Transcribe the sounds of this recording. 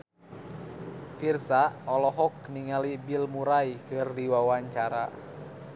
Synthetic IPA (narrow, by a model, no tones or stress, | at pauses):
firsaɔlɔɦɔk̚niŋalibilmuɾaikɨrdiwawaɲt͡ʃaɾa̰